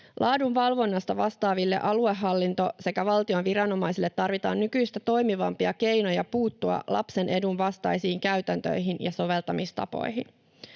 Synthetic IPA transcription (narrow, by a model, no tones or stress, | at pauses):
lʔɑːdunʋɑlʋo̞nːɑst̪ɑʋɑst̪ɑːʋilːe̞̰ʔɑlue̞hːɑlːint̪o̞se̞kæʋɑlt̪io̞nʋiɾɑno̞mɑjsilːe̞t̪ːɑrʋit̪ɑ̰ːnnykyjst̪æt̪o̞jmiʋɑmpiɑke̞jno̞jɑpuːt̪ːuɑ̰lʔɑ̰pse̞nʔe̞dunʋɑst̪ɑjsiːŋkæɥt̪ænt̪ø̰jɦinjɑso̞ʋe̞lt̪ɑmist̪ɑ̰po̞̰jin